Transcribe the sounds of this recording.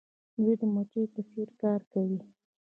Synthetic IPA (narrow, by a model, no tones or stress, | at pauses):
d̪wed̪əmot͡ʃepəseɾkɑɾkawi